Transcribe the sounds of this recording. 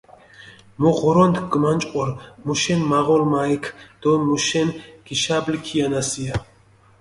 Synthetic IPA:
mɔʁɔɾɔnt̪ɡ̥mant͡ʃʼqʼɔɾmuʃɛnmaʁɔlmaikʰd̪̥ɔmuʃɛnɡ̥iʃablikʰianasia

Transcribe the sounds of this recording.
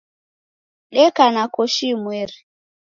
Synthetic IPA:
ɗɛkanakɔʃimwɛɾi

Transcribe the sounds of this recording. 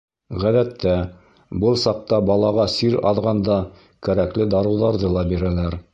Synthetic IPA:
ʁæðæt̪ʰːæ | bɤlˠsɑq̚t̪ɑbɑlˠɑʁɑsiɾɑ̰ðʁɑnd̪ɑ | kæɾæklɘd̪ɑɾŭwðɑɾðɤlˠɑbiɾælæɾ

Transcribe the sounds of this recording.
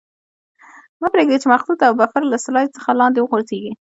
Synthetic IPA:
mapɾeɡd̪et͡ʃemaxlut̪awbafaɾlasɪlɑjt͡sə̥xalɑnd̪ewəɣoɾzeɡi

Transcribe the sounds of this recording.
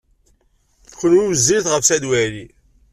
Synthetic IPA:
çənuwəzːiɾθʁəfsæd̪wæli

